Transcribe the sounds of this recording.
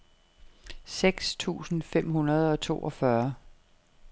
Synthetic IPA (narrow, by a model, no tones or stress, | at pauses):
seɡ̥st͡sʰṵːsn̩fem̰ɦunɐð̞ˠɒ̽t͡sʰo̝̰ːʔɒ̽fɶɐ